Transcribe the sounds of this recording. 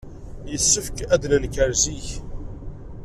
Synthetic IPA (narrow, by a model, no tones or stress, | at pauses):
jəsːəfkæd̪ləlkəɾziç